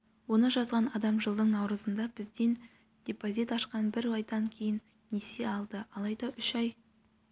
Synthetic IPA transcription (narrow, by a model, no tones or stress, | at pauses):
wo̞nəʒɑzʁɑnɑd̪ɑmʒəlˠd̪əɴnɑwɾəzənd̪ɑbɪzd̪e̞n | d̪̥ʲe̞pozit̪ɑʃqɑnbɪɾɑjd̪ɑŋkʲʰe̞jɪnːese̞ɑlˠd̪əɑlˠɑjd̪ɑʔʏʃɑj